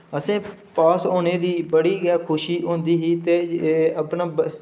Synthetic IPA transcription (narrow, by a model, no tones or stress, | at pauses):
əsẽːpaːsoːneːd̪iːbəɽiːɡɛːkʰʊʃiːʔõːnd̪iːɦiːt̪eːəpnaːb